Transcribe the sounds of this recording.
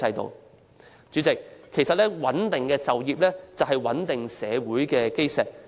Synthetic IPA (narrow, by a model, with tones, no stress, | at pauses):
ɐ˧jt̪o̰˨w | t͡ʃyː˨˥t͡sɪ˨kʰːe˨˩jsɐ˨t̚lɛ˥wɐ˨˥nt̪ɪ˨ŋkɛː˧t͡sɐ˨wjiː˨p̚lɛː˥t͡sɐ˨wɦɐ˨jwɐ˨˥nt̪ɪ˨ŋsɛː˨˧wuː˨˥jkɛː˧ke˥jsɛː˨k̚